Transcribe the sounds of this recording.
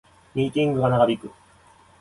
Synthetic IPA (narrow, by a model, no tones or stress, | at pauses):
mʲiːkʲĩŋɡɯ̟ɡanaɡabʲikɯ̟